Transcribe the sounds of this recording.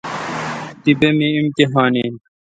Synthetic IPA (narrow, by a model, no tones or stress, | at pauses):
t̪ibemiimkeɦaːneːn